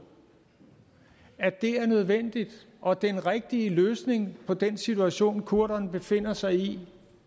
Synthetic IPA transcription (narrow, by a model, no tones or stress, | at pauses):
æd̥e̝æɐnøð̞ˠʋen̰d̥id̥ | ʔɒ̽d̥enʁeɡ̥̚d̥iəløːsne̝ŋpʰɒ̽d̥ensit͡sʰuæɕo̝̰ːnkʰuɐ̰ɾɐnb̥e̝fe̝n̰ɐsɑ̈ɪi